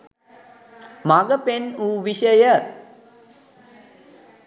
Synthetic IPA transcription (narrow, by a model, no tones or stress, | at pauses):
maɡəpenuːʋiʃəjə